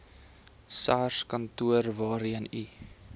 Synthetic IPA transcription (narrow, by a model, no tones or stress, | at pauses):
saːrskɐntuərvɑːɾiəni